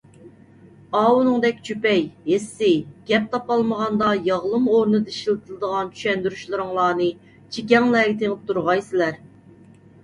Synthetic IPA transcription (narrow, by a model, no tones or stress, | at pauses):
ɑːwunɨŋd̪ɛk̚ʲt͡ʃʰypɛjhesːɪɡ̥ʲɛp̚t̪ʰɑpɑlˠməʁɑnd̪ɑjɑʁlˠɨmoɾnɨd̪ɨiʃlˠɨt̪ʰɨlˠɨd̪əʁɑnt͡ʃʰy̥ʃɛnd̪yɾyʃlˠɨɾɨŋlˠɑːnɨ | t͡ʃʰik̬ʲɛŋlɛːɡʲɪt̪ʰeŋɨp̚t̪ʰuɾʁɑjsɪlæɾ